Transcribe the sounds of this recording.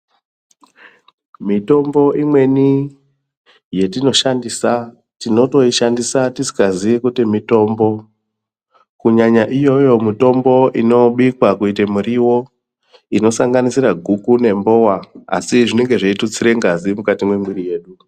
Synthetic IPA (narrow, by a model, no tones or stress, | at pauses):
mito̞mbo̞ʔimwe̞ni | je̞tino̞ʃandisa | tino̞to̞iʃandisatisi̥kazikutimito̞mbo̞ | kuɲaɲaʔijo̞jo̞mito̞mbo̞ʔino̞ɓikwakuitemuɾiwo̞ | ino̞saŋɡanisiɾaɡʱukune̞mbo̞ːwaa̰siʐine̞ŋɡe̞ʐeitut͡siɾe̞ŋɡazimukatimwe̞mwiɾije̞ːɗu